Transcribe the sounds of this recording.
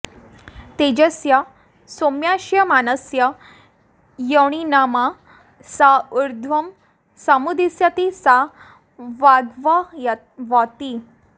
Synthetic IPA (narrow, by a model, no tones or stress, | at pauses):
t̪ed͡ʑəsja | somjaɕjəmanəsjə | jəɽ̃inama | sauɾd̪ʱʋəm | samud̪isjat̪isa | ʋaɡʋaj | ʋat̪i